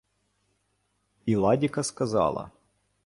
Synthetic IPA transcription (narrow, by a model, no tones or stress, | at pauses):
ilˠadʲɪkɐskɐzɑ̰lˠɐ̰